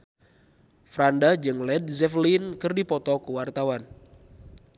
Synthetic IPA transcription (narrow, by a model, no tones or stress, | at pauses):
fɾandad͡ʒɨŋlɛd̚zɛflinkɨrdipɔt̪ɔkuwart̪awan